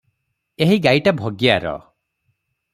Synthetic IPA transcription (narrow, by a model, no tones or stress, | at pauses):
eɦiɡajʈabʱoɡjaɾɔ̰